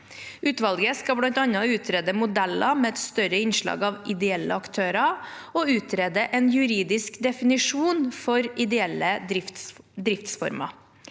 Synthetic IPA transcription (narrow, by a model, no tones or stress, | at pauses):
ʔʉːt̪ʋɑlɡəskɑblɑnt̪ɑnɑʉːt̪ʰɾeːd̪əmʊd̪ɛlɑmeːɛt̪st̪œɾəɪnʂɭɑ̰ːɡɑʋɪd̪ɛɛlːə̰ɑkt̪ʰøːɾɑɔʉːt̪ɾeːd̪əʔɛːnjʉɾiːd̪ɪskd̪ɛfɪnɪʂuːnfɔɾɪd̪ɛɛlːəɪd̪ɾɪft̪sfɔ̰ɾmɑ̰